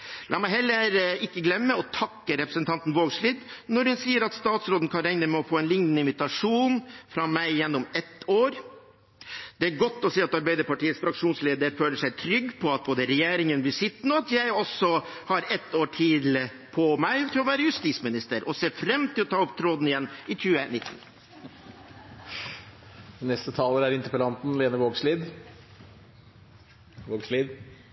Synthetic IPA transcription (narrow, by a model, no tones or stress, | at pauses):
lʔɑ̰ːmæɪɦɛlːəɾɪkːəɡlɛmːəɔt̪ʰɑkːəɾɛpɾəsənt̪ʰɑnt̪n̩ʋoːɡʂɭiːd̪nɔɾhʉnsiːəɾɑt̪st̪ɑːt̪sɾoːd̪n̩kʰɑɾɛŋnəmɛɔfoːɛnlɪŋnən̩ɪmɪt̪ɑʂuːnfɾɑmæɪjɛnːɔmɛt̪ːoːɾ | d̪ɛæɾɡɔt̪ːɔsiːɑt̪ɑɾbæɪd̪əɾpɑʈiːət̪sfɾɑkʂuːnsleːd̪əɾføːləʂæɪt̪ʰɾʏɡːpʰɔɑt̪̚boːd̪əɾɛjeːɾɪŋənblɪʂɪt̪n̩ɔɑt̪jæɪɔsɔhɑɾɛt̪ːoːʈʰɪl | pʰɔmæɪt̪ʰɪlɔʋæːɾəjʉst̪iːsmɪnɪst̪əɾɔseːfɾɛmːt̪ʰɪlɔt̪ʰɑːɔpt̪ʰɾoːd̪n̩ɪjɛnːɪçʉːənɪt̪ːn̩ | nɛst̪ət̪ʰɑːləɾæɾɪnt̪əpəlɑnt̪n̩leːnəʋoːɡsliːd̪ | ʋoːɡsliːd̪